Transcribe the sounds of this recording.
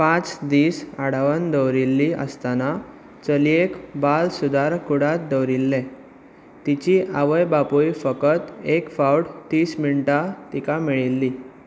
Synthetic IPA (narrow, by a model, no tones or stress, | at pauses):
pãt͡sd̪iːsaɽ̤aʋənd̪əwɾilːiʔə̰st̪ana | t͡səliekbalsud̪aɾkuɽat̪d̪əwɾilːɛ̃ | t̪it͡ɕiʔaʋəjbapujfəkət̪ekfauʈt̪ːiːsmiɳʈat̪ikamiɭilːi